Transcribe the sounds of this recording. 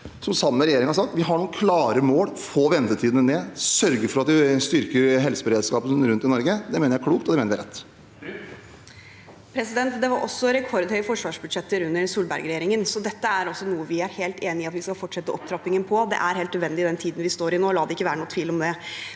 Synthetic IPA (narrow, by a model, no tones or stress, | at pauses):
sɔmsɑmːəɾɛjeːɾɪŋhɑɾsɑkt̪ʋɪɦɑɳuːkʰlɑːɾəmoːlfoːʋɛnt̪ət̪ʰiːd̪nəneːsœɾɡəɾfɔɾɑt̪ʋɪst̪ʏɾkəɾɦɛlsəbəɾeːd̪skɑːpənɾʉnt̪ɪnɔɾɡəd̪ɛmeːnəɾækʰɽuːkt̪ɔd̪ɛmeːnɾjæɪɾɛt̪ː | pʰɾɛsɪd̪ɛnt̪d̪ɛʋɑɾʔɔ̰sːɔɾɛkʰɔɾd̪hœʏəfɔʂʋɑːʂbʉd̪ʂɛt̪ːəɾʉnːəɾsuːlbæ̰ɾɡɾɛjeːɾɪŋənsɔd̪ɛt̪ːəæɾɔsːɔnuːəʋɪæɾheːlt̪eːnɪɑt̪ʋɪskɑlfɔʈʂɛt̪ːəʔɔp̚t̪ʰɾɑpːɪŋənpʰɔd̪ɛ̰ʔæɾɦeːlt̪nəd̪ʋɛnd̪ɪd̪ɛnt̪ʰiːd̪n̩ʋɪst̪oːɾɪnoːlɑːd̪ɛɪkːəʋæːɾəɳuːət̪ʰʋiːlɔmd̪ɛ